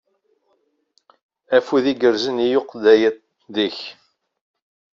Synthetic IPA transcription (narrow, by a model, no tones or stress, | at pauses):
æfuðiɡəɾzənijoqðæjət̪ | ðiç